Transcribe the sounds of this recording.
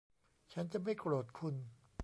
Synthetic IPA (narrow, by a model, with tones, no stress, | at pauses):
t͡ɕʰa˦˥nt͡ɕa˨ʔma˥˩jkɾoː˨˩t̪̚kʰu˧n